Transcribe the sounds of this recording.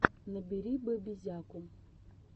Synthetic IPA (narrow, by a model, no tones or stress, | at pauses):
nɨbiɾibəbizʲakʊm